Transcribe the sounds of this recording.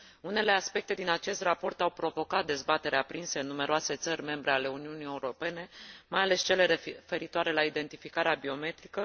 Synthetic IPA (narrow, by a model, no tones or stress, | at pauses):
une̞le̞aspe̞k̚t̪e̞d̪inat͡ʃe̞st̪rapo̞rt̪awpɾo̞vo̞kat̪̚d̪e̞zbat̪e̞ɾeapɾinse̞ɨnːume̞ɾoase̞t̪sərʲme̞mbɾe̞ale̞uniunije̞uɾo̞pe̞ne̞majale̞st͡ʃe̞le̞ɾefe̞ɾit̪oaɾe̞laid̪e̞nt̪ifikaɾeabio̞me̞t̪ɾikə